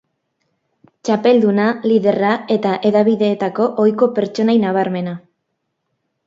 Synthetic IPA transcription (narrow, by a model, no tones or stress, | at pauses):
t͡ʃape̞ld̪unaliðe̞rae̞t̪aʔe̞ðaβiðe̞ːt̪ako̞ʔojko̞pe̞ɾt͡ʃo̞najnaβ̞aɾme̞na